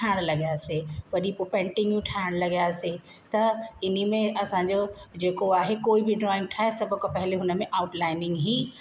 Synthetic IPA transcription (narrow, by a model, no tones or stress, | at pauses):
aːɪɽ̃lɐɡijaːseʋɐɗipopɛ̃ːɳʈɪ̃ŋɡjũʈʰaɪɽ̃lɐɡijaːse | t̪ɐɪnimẽɐsãɲd͡ʑod͡ʑeːkoaːɦekoːibʱɪɖɾɔːɪ̃ŋɡ̚ʈʰaːɦesɐbʱʊ̆kãpɐɦɪleɦʊnə̆mẽʔaʊʈlaːɪnɪ̃ŋɡɦiː